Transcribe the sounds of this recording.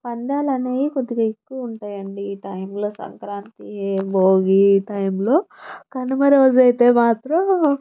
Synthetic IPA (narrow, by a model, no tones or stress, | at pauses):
pɐnd̪aːlɐneːjikod̪iɡɐːekːuʋɐuɳʈaːjɐɳɖiʈɐjmlo̞ːsɐ̰ŋkɾaːnt̪ieboːɡiʈɐjmlo̞ːkɐnumɐɾoːd͡ʒɐjt̪e̞ːmaːt̪ɾɐ